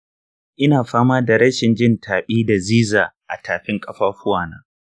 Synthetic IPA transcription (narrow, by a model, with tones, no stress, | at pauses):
ʔɪ˦naː˨ɸaː˦maː˦da˨ɾɐ˦ʃɪ˨nd͡ʒɪ˦ntʰaː˨ɓʼiː˦da˨ziː˦zaː˨ʔa˨tʰaː˨ɸɪ˦ŋkʼɐ˦ɸaː˦ɸʊ˦waː˨na̰ː˦